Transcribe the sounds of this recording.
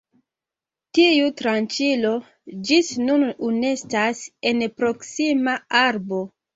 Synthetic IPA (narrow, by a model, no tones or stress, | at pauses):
tiutɾant͡ʃilo̞ | d͡ʒisnunune̞stase̞npɾo̞ksimaaɾbo̞